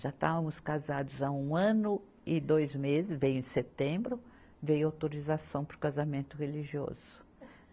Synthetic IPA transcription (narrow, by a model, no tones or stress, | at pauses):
ʒat̪avɐmʊskazad̪ʊzaũɐ̃nʊ | ɪd̪ojzmezɪsvejʊẽset̪ẽbɾʊ | vejʊawt̪oɾizasɐ̃w̃poɾkazamẽnt̪ʊheliʒiɔ̰zʊ̥